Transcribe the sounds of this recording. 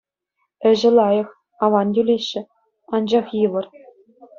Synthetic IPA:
ɘ̆ʑɘ̆lˠɑjɤ̆χ | ɑʋɑndʲylʲeɕːɘ̆ | ɑnd͡ʑɑχjɯʋɤ̆r

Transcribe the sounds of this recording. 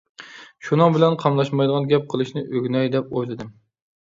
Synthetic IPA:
ʃunɨŋbɪlɛnqʰɑmlˠɑʃmɑjd̪əʁɑnɡʲɛp̚qʰəlˠɨʃnɪʔøɡʲnɛjd̪ɛp̚ojlˠɨd̪ɨm

